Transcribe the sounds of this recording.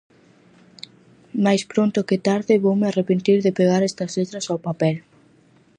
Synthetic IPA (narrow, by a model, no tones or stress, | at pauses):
majspɾont̪ʊkɪt̪aɾðɪβowmɪarepent̪iɾðɪpeɣaɾɛst̪ɐzlet̪ɾɐsawpapɛl